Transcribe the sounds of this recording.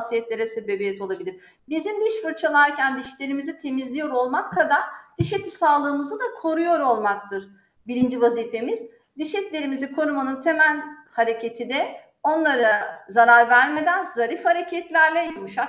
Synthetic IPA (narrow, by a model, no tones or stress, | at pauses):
sijɛt̪lʲe̞ɾɛse̞be̞bijɛt̪ʰo̞lˠabilʲiɾ | bizimd̪iʃfuɾt͡ʃʰalˠaɾcʰænd̪iʃlʲe̞ɾimizit̪ʰe̞mizlʲijo̞ɾo̞lˠmakʰːad̪aɾ̥d̪̥iʃet̪ʰisaːlˠɯːmɯzɯd̪akʰo̞ɾujo̞ɾo̞lˠmakt̪ʰɯɾ | biɾind͡ʒivaziːfe̞miz̥ | d̪iʃɛt̪lʲe̞ɾimizikʰo̞ɾumanɯnt̪ʰe̞mælʲhaɾe̞cʰe̞t̪ʰid̪ɛ | o̞nlˠaɾɯzaɾaɾvæɾme̞d̪ænzaɾifhaɾecʰɛt̪lʲæɾlʲɛjomuʃa